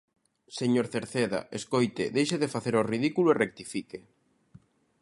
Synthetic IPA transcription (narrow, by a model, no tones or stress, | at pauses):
seɲoɾθeɾθeða̰ʔeskojt̪ɪðejʃeðefaθeɾoriðikuloerek̚t̪ifike